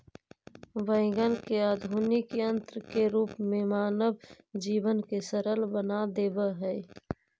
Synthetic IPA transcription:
ʋə̃ɪ̃ɡənkeaːd̪ʱuːnikə̃nt̪ɾkeɾuːpmẽmaːnəb | d͡ʒiːʋənkesəɾəlbənad̪eːbəɦɛː

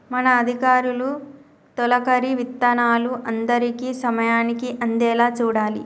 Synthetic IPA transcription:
mɐnɐːd̪ʱikaːɾulu | t̪ɔlɐkɐɾiʋit̪ːɐnaːluʔɐnd̪ɐɾikisɐmɐjaːnikiʔɐnd̪ɛːlaːt͡ʃuːɽaːli

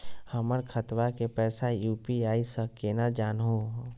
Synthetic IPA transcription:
həməɾkʰət̪ʋakepɛːsajuːpiaːisəkːenad͡ʒaːnɦõ

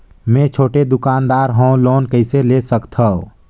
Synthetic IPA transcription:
mẽt͡ʃʰoːʈed̪ʊkaːnd̪aːɾɦõloːnkəɪselesəkt̪ʰəo

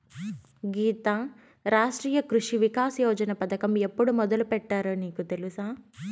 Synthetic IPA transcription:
ɡiːt̪aː | ɾaːʂʈɾiːjɐkɾuʂiʋikaːsjɔːd͡ʒɐnɐpɐd̪ɐkɐme̞pːuɽumɔd̪ɐlupɛʈːaːɾuniːkut̪e̞lusaː

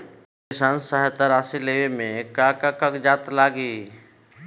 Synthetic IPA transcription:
kɪsaːnsəɦɛt̪əɾaːsileːʋemẽkaːkakakd͡ʒaːt̪laːɡiː

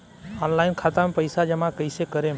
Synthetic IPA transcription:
ɔːnlaːɪnkʰat̪amepəɪsad͡ʒəmãkəɪsekəɾem

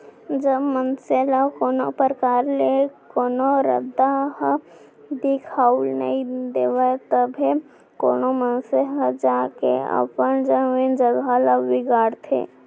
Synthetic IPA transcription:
d͡ʒəbmənselakoːnopəɾəkaːɾlekoːnoɾə̰d̪aɦ | d̪ɪkʰaːulnɐ̰ĩd̪eːʋət̪əbʱi | ko̰ːnomənseɦəd͡ʒaːkḛə̰pənd͡ʒəʋind͡ʒəɡʱalaːɪɡaːɾt̪ʰḛː

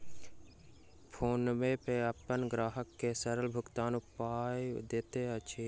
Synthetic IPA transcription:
pʰoːnmẽpeəpənɡɾaːɦəkːesəɾəlbʱʊkt̪aːnʊpaːjd̪eːt̪eət͡ʃʰeː

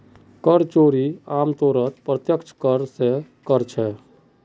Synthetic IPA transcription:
kəɾt͡ʃoːɾiaːmt̪oːɾət̪pɾət̪jəkt͡ʃʰkəɾse | kəɾt͡ʃʰɛ

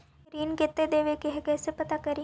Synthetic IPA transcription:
ɾiːnket̪ːed̪eːʋekeɦɛkɛːsepɐt̪akɐɾi

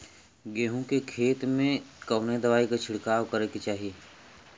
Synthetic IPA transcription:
ɡeːɦũkekʰeːt̪mẽkɐːned̪ɐʋaːikat͡ʃʰɪɽkaːʋkɐɾeket͡ʃaːɦijeː

